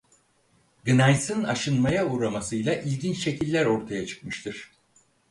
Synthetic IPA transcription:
ɡɯnajsɯna̰ʃɯnmajauɾamasɯjlˠaʔilʲɟint͡ʃʃe̞cʰilʲːæɾo̞ɾt̪ʰajat͡ʃʰɯ̥kmɯʃt̪ʰɯɾ̥

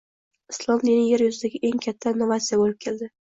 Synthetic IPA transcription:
ɪslˠɒmnenɪŋjeɾjʊzɪd̪aɡʲɪʔe̞ŋkʲʰat̪ʰːaɪnːovat̪sijabolɪp̚kʰʲe̞ld̪ɪ

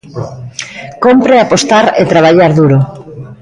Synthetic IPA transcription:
kompɾeapost̪aɾet̪ɾaβ̞aʎaɾðuɾo

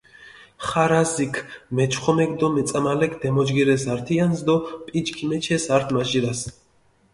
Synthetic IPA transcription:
χaɾazikʰmɛt͡ʃʰχɔmɛkʼd̪ɔmɛt̪sʼamalɛkʰd̪ɛmɔd͡ʒɡiɾɛsaɾt̪ʰiansd̪ɔpʼit͡ʃkʰimɛt͡ʃʰɛsaɾt̪ʰmaʒiɾas

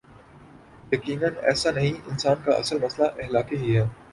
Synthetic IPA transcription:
jɐkiːnənɛ̰ːsanɐɦĩʔɪnsaːnkaʔɐ̰səlmɐslaʔɪɦlaːkeɦiɦɛː

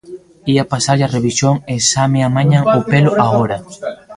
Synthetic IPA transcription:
iapasaʎareβisjoŋesameamaɲaŋopelʊʔaoɾɐ

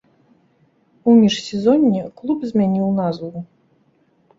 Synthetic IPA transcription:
umʲiʂsʲɛzɔnʲːɛklˠupzʲmʲanʲiwnazvu

